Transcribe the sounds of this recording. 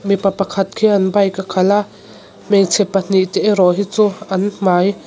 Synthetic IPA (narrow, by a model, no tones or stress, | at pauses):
mipapɐkʰɐt̪̚kʰiʔɐnbɐjkakʰɐlaʔ | mɛjt͡sʰɛpːan̥iʔt̪ɛʔɾɔɦit͡suʔɐnm̥aːj